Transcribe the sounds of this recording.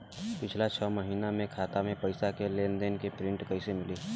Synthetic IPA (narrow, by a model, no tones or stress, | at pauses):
pɪt͡ʃʰlat͡ʃʰəːməɦiːnamẽkʰaːt̪amẽpəɪsakelend̪enkepɾɪ̃ɳʈkəɪsemɪliː